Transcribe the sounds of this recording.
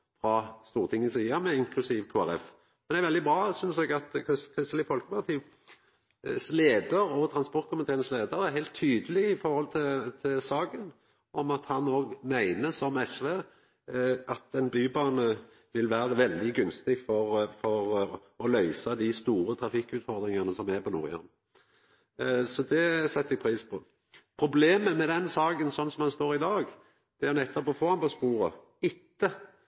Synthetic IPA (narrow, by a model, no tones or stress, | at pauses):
fɾɑst̪uːʁt̪ʰɪŋːəsiːɑmɛɪŋkʰlʉsiːʋkʰoːæɾɛf | mɛnɛɾʋɛld̪ɪbɾɑːsʏnsɛɡɑt̪kskʰɾɪst̪lɪfɔlkəmæɑt̪ʰiːʋ | sleːd̪əɾɔt̪ʰɾɑnspɔɾt̪̚kʰɔmɑt̪ʰeːnsleːd̪əɾæhæɪlt̪ʰːyːd̪əlɪɪfɔɾhɔlt̪ʰɪt̪ʰɪlsɑːɡən | ɔmɑt̪hɑnːoːɡmæɪnəsɔmɛsʋeː | ʔɑt̪ɛnbyːbɑːnə | ʋɪlʋæːɾəʋɛld̪ɪɡʉnst̪ɪfɔʁfɔʁ | ɔlœʏsɑd̪ɪst̪uːɾət̪ʰɾɑfɪkːʉːt̪fɔɾd̪ɾɪŋɑnəsɔmæpʰɔnṵʁɪ̰ɑ̰n | sɔd̪ɛsɛt̪ːɪpʰɾiːspʰɔː | pʰɾʊbleːməmɛd̪ɛnsɑːɡənsɔnːsɔmhɑnst̪oːɾɪd̪ɑːɡ | d̪̥ɛʊnɛt̪ːɔpɔfoːɑnpɔspuːɾə | ɪt̪ːə